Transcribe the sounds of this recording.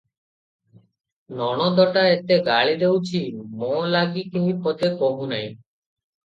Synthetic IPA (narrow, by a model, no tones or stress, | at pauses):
nɔɽ̃od̪ɔʈaet̪eɡaɭid̪ewt͡ɕʰimolaɡikimipɔt̪ekoɦunaj